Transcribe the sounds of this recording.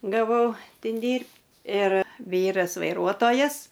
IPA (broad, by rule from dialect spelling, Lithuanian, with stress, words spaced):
ɡɐˈʋɐʊ ˈtʲɪn ˈdʲiːrʲpʲ ɪr ˈʋʲiːrɐs ʋɐɪˈruɔtoːjɛs